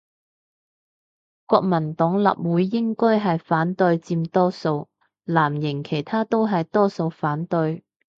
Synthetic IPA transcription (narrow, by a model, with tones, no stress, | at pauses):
kʷɔː˧k̚mɐ˨˩nt̪ɔː˨˥ŋlɐ̰˨p̚wuː˨˥jːɪ˥ŋkɔː˥jɦɐ˨jfaː˨˥nt̪ɵ˧ɥt͡siː˧mt̪ɔː˥so˧w | laː˨˩mjɪ˨˩ŋkʰe˨˩jt̪ʰaː˥t̪o˥wɦɐ˨jt̪ɔː˥so˧wfaː˨˥nt̪ɵ˧j